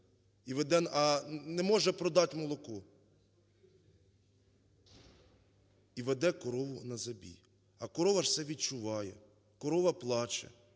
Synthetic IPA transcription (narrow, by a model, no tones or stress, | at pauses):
iʋɛd̪ɛnɐnɛmɔʒɛpɾɔd̪ɑtʲmɔlˠɔkɔ | iʋɛd̪ɛkɔɾɔʋʊnɐzɐbʲḭ | ɐkɔɾɔʋɐʃsɛʋʲid̪̚t͡ʃʊʋɑjɛ | kɔɾɔʋɐplˠɑt͡ʃɛ̰